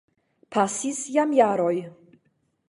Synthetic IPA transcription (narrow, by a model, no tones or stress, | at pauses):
pʰasisjamjaɾɔj